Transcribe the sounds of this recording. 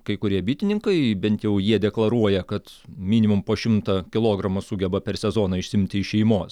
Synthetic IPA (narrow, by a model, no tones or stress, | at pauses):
kɐɪkʊɾʲiɛbʲiːt̪ʲɪnʲɪŋkɐɪbʲɛnʲt̪ʲjɛʊjiɛd̪ʲɛklˠɐɾuɔjɛkɐt̪ | mʲiːnʲɪmʊmpoːʃʲɪmt̪ɐkʲɪlˠoːɡɾɐmɐsuɡʲɛbɐpʲɛrsʲɛzoːnɐɪʃsʲɪmʲt̪ʲɪɪʃʲɛɪmoːs